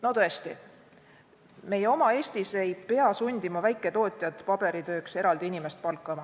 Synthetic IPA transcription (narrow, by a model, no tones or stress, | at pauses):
no̞t̪ɤest̪i | me̞je̞o̞mɑe̞ːst̪ise̞jpeɑsunʲd̪̥imɑvæjkːˑe̞t̪o̞ːt̪ʲˑjɑd̪̥pɑb̥e̞ɾit̪ø̞ːkse̞ɾɑld̪̥iinʲimest̪̚pɑlkˑːɑmɑ